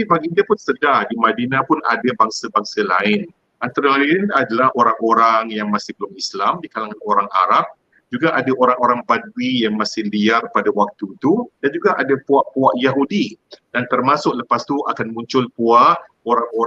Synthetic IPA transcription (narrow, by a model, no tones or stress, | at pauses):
apibaɡindəpʊnsədahdimadinãpʊna̰dabaŋsabaŋsalaɪn | ʔant̪aɾaŋaliənadalahoɾaŋoɾaŋjaŋmasɪhbəlʊmislamdikalaŋanoɾaŋa̰ɾap̚ | d͡ʒuɡaʔadaʔoɾaŋoɾaŋbad̚uwijaŋmasɪhliarpadawak̚t̪ut̪udand͡ʒuɡaʔadapuaʔpuaʔjaɦudid̥ant̪ərmasʊʔləpast̪uʔakanmuɲt͡ʃʊlpuaʔ | oɾaŋo